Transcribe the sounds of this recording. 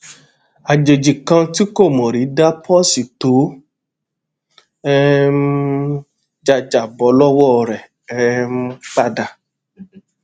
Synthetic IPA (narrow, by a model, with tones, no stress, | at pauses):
a˨d͡ʒe˨d͡ʒi˨kã˧ti˦ko˦˨mɔ̃˨ɾi˨˦da˦pʰɔ˦si˨to˨˦ | ɛ˦m˦ | d͡ʒa˧d͡ʒa˨bɔ˨˦lɔ˦wɔ˦˨ɾɛ˨ | ɛ˨˦m̩˦k͡pa˦da˧˨